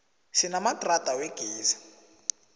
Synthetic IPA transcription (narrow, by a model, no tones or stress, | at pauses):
ʃinamatratʼaweɡ̥ʱeːzḁ